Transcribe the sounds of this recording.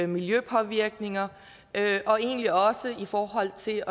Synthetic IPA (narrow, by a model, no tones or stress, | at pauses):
miljøpʰɒ̽ʋiɐɡ̥ne̝ŋɐ | ʔøʔɒ̽e̝ːnliɒ̽səifɒːɦɒ̽l̰t͡sʰe̝ɒ̽